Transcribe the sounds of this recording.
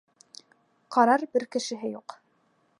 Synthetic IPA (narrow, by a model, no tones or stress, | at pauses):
qɑɾɑɾbɘɾkɘ̆ʃɘ̆ɦɘjuq